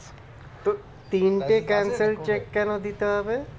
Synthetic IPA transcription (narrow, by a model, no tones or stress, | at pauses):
t̪o | t̪iːnʈekɛːnsəlt͡ʃekːɛnõd̪it̪aːbe